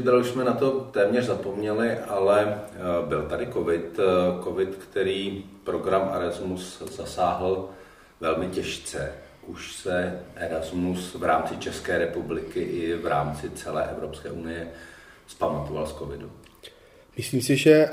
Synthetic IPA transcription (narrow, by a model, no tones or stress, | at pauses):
d̪ɾaluʃsmɛnat̪o̞t̪ɛːmɲɛrzapo̞mɲɛlɪʔalɛbɪlt̪adɪko̞vɪt̪ko̞vɪt̪kt̪ɛɾiːpɾo̞ɡɾamʔaɾazmusz̥asaːɦl̩ | vɛlmɪcɛʃt͡sɛ | ʔuʃsɛʔɛɾazmusvɾaːmt͡sɪt͡ʃɛskɛːɾɛpublɪkɪʔɪvɾaːmt͡sɪt͡sɛlɛ̰ːʔɛvɾopskɛ̰ːʔunɪjɛspamat̪ovalsko̞vɪdu | mɪsliːmsɪʒɛ